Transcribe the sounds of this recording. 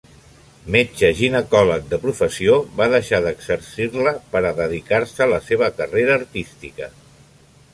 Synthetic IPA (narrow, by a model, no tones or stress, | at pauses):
met͡ʃəʒinəkɔlək̚d̪əpɾufəsioβaðəʃaðəɡzəɾsirləpəɾəðəðikaɾsələseβ̞əkəreɾəːɾt̪ist̪ikə